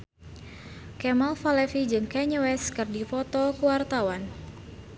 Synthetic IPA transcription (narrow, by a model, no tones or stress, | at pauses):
kɛmalfalɛfid͡ʒɨŋkɛɲəwɛskɨrdifɔt̪ɔkuwart̪awan